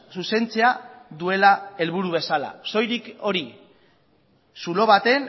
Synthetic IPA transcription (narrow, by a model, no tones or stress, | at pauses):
suse̞nt͡seaðue̞lae̞lβuɾuβe̞sala̰so̞jɾiko̞ɾi | sulo̞βat̪e̞n